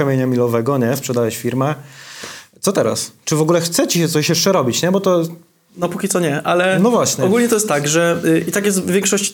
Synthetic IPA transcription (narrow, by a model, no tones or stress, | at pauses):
kamʲjeɲamʲilɔvɛɡɔɲɛspʂɛd̪ajɛɕfʲiɾmɛ | t̪sɔt̪ɛɾa̰st͡ʂɘvɔɡulɛxt̪sɛt͡ɕiɕɛt̪ɔɕjɛʂt͡ʂɛɾɔbʲit͡ɕɲɛbɔt̪ɔ | nɔpukʲisɔɲɛʔalɛnɔvwaɕɲɛɔɡulɲɛt̪ɔjɛst̪t̪aɡʐɛʔit̪ak̬jɛst̪vʲjɛ̃ŋkʂɔɕt͡ɕ